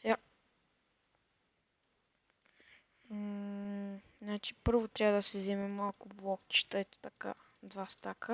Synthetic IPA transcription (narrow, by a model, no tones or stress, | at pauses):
sa | nat͡ʃi̥pɤɾvot̪ɾʲabəd̪əsɛzɛmɛmalˠkʊblˠɔkt͡ʃi̥t̪əɛt̪ʊ̥t̪ɐka̰ | d̪vast̪akə